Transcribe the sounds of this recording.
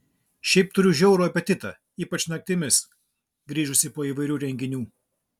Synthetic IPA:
ʃʲɛɪp̚t̪ʊɾʲʊʒʲɛʊɾoːɐpʲɛt̪ʲɪt̪ɐ | iːpɐt͡ʃnɐk̚t̪ʲɪmʲɪs | ɡɾʲiːʒʊsʲɪpoːiːʋɐɪɾʲuːɾʲɛŋʲɡʲɪnʲuː

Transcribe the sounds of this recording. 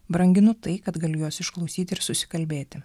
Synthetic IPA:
bɾɐŋʲɡʲɪnʊt̪ɐɪkɐt̪ɡɐlʲɪjuːsɪʃklˠɒʊsʲiːt̪ʲɪɪɾsʊsʲɪ̥kɐlʲbʲeːt̪ʲɪ

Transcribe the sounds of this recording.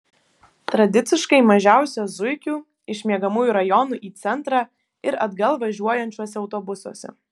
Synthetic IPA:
t̪ɾɐd̪ʲɪt̪sʲɪʃkɐɪmɐʒʲæˑʊsʲozʊɪkʲuː | ɪʃʲmʲiɛɡɐmuːjuːɾɐjɔnuːʔiːt̪sʲɛnt̪ɾɑː | ɪɾɐd̪ɡɐlˠʋɐʒʲuɔjɛnʲt͡ʃʲuɔsʲɛɐʊt̪oːbʊsṵːsʲɛ̰

